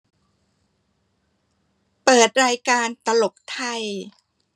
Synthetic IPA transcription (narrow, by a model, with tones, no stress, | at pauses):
pɤː˨˩t̪̚ɾaː˧jkaː˧nt̪a˧lo˨˩p̚t̪ʰa˧j